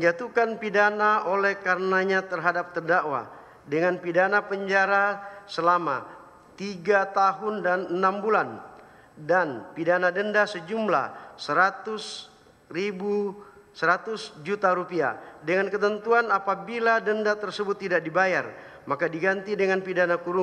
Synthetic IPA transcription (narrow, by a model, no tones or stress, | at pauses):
məɲd͡ʒat̪ukanpidanaʔolɛhkarənaɲat̪ərɦadap̚t̪ərdaʔwa̰ | dəŋanpidanapəɲd͡ʒaɾasəlama̰ | t̪iɡat̪aɦʊndanənambulan | danpidanadəndasəd͡ʒumla̰səɾat̪ʊs | ribu | səɾat̪ʊsd͡ʒut̪aɾupia̰dəŋankət̪ənt̪uanapabiladəndat̪ərsəbʊt̪ːidak̚dibajar | makadiɡant̪idəŋanpidanakuɾu